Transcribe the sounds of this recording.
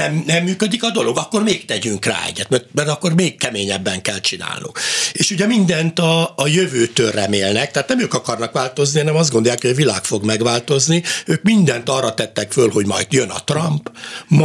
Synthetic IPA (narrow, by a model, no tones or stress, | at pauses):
ɛmnɛmːyːkød̪ikɒd̪o̞lo̞ɡɒkːo̞rmeːkt̪ɛɟyŋkra̰ːɛ̰ɟːɛt̪mɛrt̪mɛrt̪ɒkːo̞rmeːkkːɛmeːɲɛbːɛŋkɛlt͡ʃina̰ːlnṵŋkeːʃuɟɛmind̪ɛnt̪ɒːjøvøːt̪ørɛmeːlnɛk̚t̪ɛat̪nɛmøːkɒkɒrnɒkʋaːlt̪o̞znihɒnɛmɒzd̪ɡond̪ojaːkhoɟɒvilaːkfo̞ɡmɛɡʋaːlt̪o̞zniøːkmind̪ɛnt̪ɒrːɒt̪ɛt̪ːɛkfølɦo̞ɟmɒ̰jt̪jønɒ̰t̪rɒmpm